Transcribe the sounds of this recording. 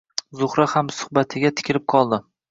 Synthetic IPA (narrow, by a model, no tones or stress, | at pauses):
zʊχɾahamsʊ̥hbat̪ʰɪɡʲat̪ʰɪ̥kʲɪɾɪp̚qʰɒlˠd̪ɪ